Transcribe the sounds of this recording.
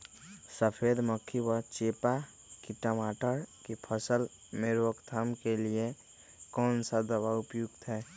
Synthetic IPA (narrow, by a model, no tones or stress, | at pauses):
səpʰed̪məkʰiwət͡ʃeːpa | kiʈəmaːʈəɾkipʰəsəl | meɾwəkt̪ʰamkelie | kɔːnsad̪əbaʊpjuɡt̪ɦɛː